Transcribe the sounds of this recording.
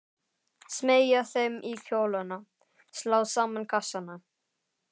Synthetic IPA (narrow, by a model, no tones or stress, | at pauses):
smeːjaθejmʔicʰoːwlana | slaːwsaːmankʰasːana